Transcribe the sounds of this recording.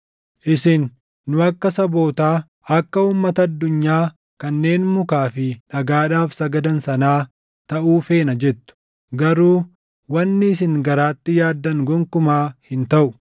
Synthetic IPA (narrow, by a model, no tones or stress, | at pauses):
ʔɪsɪnː | ʊɐkːɐsɐbo̞ːt̪aː | ɐkːɐuːmːɐt̪ɐːd̪ːʊɲːaː | kɐnːe̞ːnmʊkaːfɪᶑɐɡaːᶑaːfsɐɡɐd̪ɐnsɐnaː | t̪ɐʔuːfe̞ːnɐd͡ʒɛt̪ːʊ̥ | ɡɐɾuː | wɐnːɪɪs̬ɪŋɡɐɾaːt̪ːɪjaːd̪ːɐŋɡɔŋkʊmaːhɪnt̪ɐʔʊ